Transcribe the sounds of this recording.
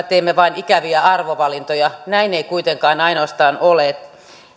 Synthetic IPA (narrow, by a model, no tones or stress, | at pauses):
t̪eːmːeʋɑinikæʋiæɑrʋoʋɑlint̪ojɑnæineikuit̪eŋkɑːnɑinoɑst̪ɑːnoleːt̪